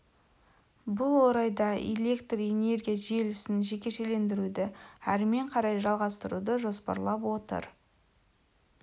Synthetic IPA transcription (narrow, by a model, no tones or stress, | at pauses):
bʊlˠwo̞ɾɑjd̪ɑḛlʲe̞kt̪re̞ne̞ɾɡʲijaʒielɪsɪnʒe̞kʲe̞ʃe̞le̞nd̪ɪɾud̪ɪæɾɪme̞ɴqʰɑɾɑjʒɑlˠʁɑst̪əɾud̪əʒo̞spɑ̰ɾlˠɑpwo̞t̪ə̰ɾ